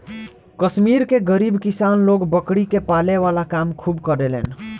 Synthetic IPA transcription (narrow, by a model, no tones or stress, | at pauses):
kəsmiɾkeɡəɾibkisanloɡbəkɽikepaleʋalakamkʰubkəɾelḛn